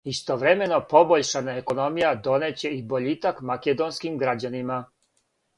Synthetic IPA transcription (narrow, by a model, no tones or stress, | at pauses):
ist̪oʋɾemenopoboʎʃanaekonomijad̪o̞net͡ɕeiboʎit̪akmaked̪onskimɡɾad͡ʑanima